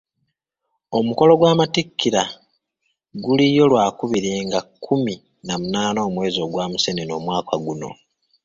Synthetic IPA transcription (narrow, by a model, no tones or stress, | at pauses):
o̞muko̞lo̞ɡwaːmatikːiɾa | ɡulijo̞lwaːkuβiɾeːŋɡakʰːumi | namunaːnoːmwe̞ːzo̞ːɡwaːmuse̞neno̞ːmwaːkaɡuno̞̰